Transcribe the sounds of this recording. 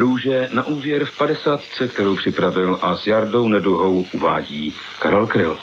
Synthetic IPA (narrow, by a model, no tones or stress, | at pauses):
ɾuːʒɛnaʔuːvjɛɾfpadɛsaːt̪t͡sɛkt̪ɛɾowpr̝̥ɪpɾavɪlʔazjaɾdo̞wnɛduɦowʔuva̰ːɟiː | ka̰ɾɛlkɾɪl